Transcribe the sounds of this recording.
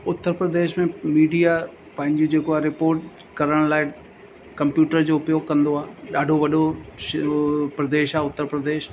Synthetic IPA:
ʊt̪ːəɾpɾəd̪eːʃmẽmiːɖija | pɐ̃ɦɪ̃ɲd͡ʑod͡ʑeːkoaɾɪpoːɾʈ | kɐɾəɽ̃laːɪ | kɐ̃mpjuːʈəɾd͡ʑoːpijokɐ̃nd̪oaːɦɗaːɖʱoʋɐɗʱo | pɾɐd̪eːʃaːʊt̪ːəɾpɾəd̪eːʃ

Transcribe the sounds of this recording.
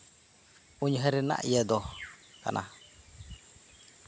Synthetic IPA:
uɲɦəɾɛna̰ʔjɛd̪ɔka̰nʔa̰

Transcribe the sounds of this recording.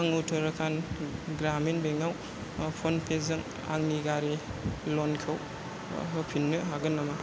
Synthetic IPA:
aŋutʰɯɾakʰanɡɾamenbeŋaw | pʰonpʰezɯŋ | a̰ŋniɡaɾelonkʰɯw | ɯpʰinːɯɦaɡɯnːama

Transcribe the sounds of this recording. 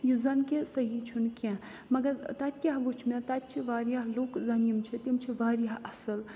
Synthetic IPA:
juzɐnkesɐɦit͡ʃʰunkɛ̃ | mɐɡɐɾt̪ɐt̪̚ʲkʲaɦʋut͡ʃʰmẽt̪ɐt̪̚ʲt͡ʃʰiʋaːɾjaɦloːkzɐnjimt͡ʃʰit̪imt͡ʃʰiʋaːɾjaɦɐsɨl

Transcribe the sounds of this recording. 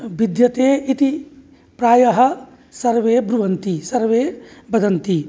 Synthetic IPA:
bid̪jɐt̪eːit̪i | pɾaːjɐɦɐ̆ | sɐɾʋeːbɾuʋɐnt̪isɐɾʋeːbɐd̪ʱɐnt̪i

